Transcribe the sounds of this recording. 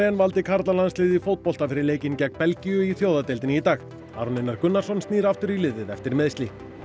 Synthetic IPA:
jɛnvalt̪ɪkʰaɾt̪lalanslɪːðifoːwt̪̚pɔlt̪afɪɾɪɾleːjcɪncɛkpɛlcijʏiθjoːwðat̪ɪlt̪ɪnɪit̪aːx | aːɾunɪnːaɾkʏnːḁsɔnst̪niːɾaft̪ʏɾilɪːðɪðɛft̪ɪɾmɛðst̪li

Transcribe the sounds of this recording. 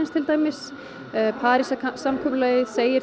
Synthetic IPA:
ɪnst̪ʰɪlt̪aːjmɪs | pʰaːɾisasamkʰʏplœːjɪseːjɪɾ

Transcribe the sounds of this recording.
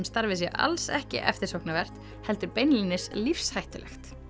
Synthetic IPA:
mst̪aɾvɪs̬jɛʔa̰lsɛhcɪ̰ʔɛ̰ft̪ɪɾ̥sohknavɛr̥t̪ | hɛl̪t̪ʏɾpejnlinɪslifshajht̪ʏlʔɛ̰xt̪

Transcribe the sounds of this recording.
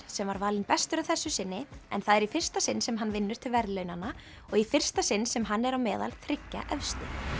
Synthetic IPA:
sɛmvaɾvalɪnpɛst̪ʏɾaθɛsːʏsɪnːɪɛ̰nθaðɛɾifɪr̥st̪asɪnsɛmɦanːvɪnːʏɾ̥t̪ʰɪlvɛɾðlœɥnanːa | ɔɣifɪr̥st̪asɪnːsɛmɦanːɛɾawmɛːða̰lθɾɪcːa̰ʔɛfst̪ɪ

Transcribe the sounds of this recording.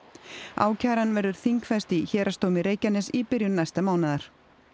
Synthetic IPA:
a̰ːwcʰaːɾanvɛɾðʏɾ̥θiŋkfɛst̪ɪçɛːɾʔast̪oːwmɪɾeːjcanːɛsipɪɾjʏnnajst̪amaːwnaðaɾ̥

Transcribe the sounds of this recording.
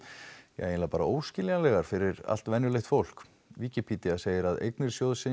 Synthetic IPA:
jɛ̰ɣejnlapaːɾa̰ʔoːwscɪːljalɛɣaɾ̥fɪɾɪɾa̰l̥t̪vɛnːjʏlejxt̪fowl̥k | viːcipʰit̪iaseːjɪɾaðḛjknɪɾ̥sjoːwðsɪ

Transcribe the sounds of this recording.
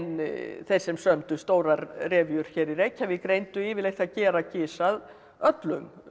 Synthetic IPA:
nθejɾ̥sɛmsœmt̪ʏst̪oːwɾaɾrɛːvjʏɾ̥çɛːɾirejchavɪkɾejnt̪ʏɪːvɪlejxt̪aðcɛːɾacɪːsað | œt̪lʏm

